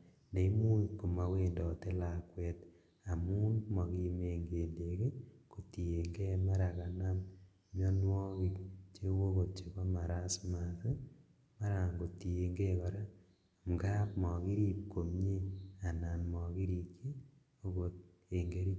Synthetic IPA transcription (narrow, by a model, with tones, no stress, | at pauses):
nde˨i˦mu˦ko˨ma˨we˨ndɔ˨te˦la˨kwɛt | a˨mu˦nmɔ˨ki˦meŋɡe˨nde˨ke˦ko˨ti˨e˨ŋɡe˦ma˦ɾaka˨na˦m | mjɔ˦nwɔ˦ki˨kt͡ʃe˦wo˦ko˨t̚t͡ʃe˨ko˦ma˨ɾa˦sma˨ðe˦ | ma˦ɾa˨ŋɡo˨ti˨e˨ŋɡe˦kɔ˨ɾa˦ | ŋɡa˦pmɔ˨ki˦ɾiː˦p̚ko˨mɲe˦a˨na˨nmɔ˨ki˦ɾi˨kje˦ | o˦ko˨t̚ | e˨ŋɡe˦ɾi˦